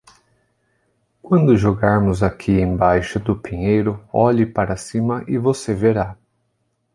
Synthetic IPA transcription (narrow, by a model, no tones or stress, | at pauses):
kwɐ̃nd̪ʊʒoɡaɾmʊzakʰiẽj̃bajʃʊd̪ʊpĩɲejɾʊɔʎɪpaɾɐsĩmɐʔɪvoseveɾa